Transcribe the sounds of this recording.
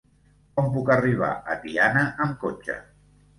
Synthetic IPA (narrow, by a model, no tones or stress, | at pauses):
kɔmpukəriβ̞a̰ʔət̪ianəʔəmkot͡ʃə̰